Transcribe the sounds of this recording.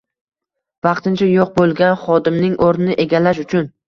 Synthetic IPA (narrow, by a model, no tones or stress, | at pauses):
vɑqt̪ɪnt͡ʃʰajoq̚bolˠɡʲanχɒd̪ɪmnɪŋʔoɾnɪnɪʔeɡʲalaʃ̬ʊt͡ʃʰʊn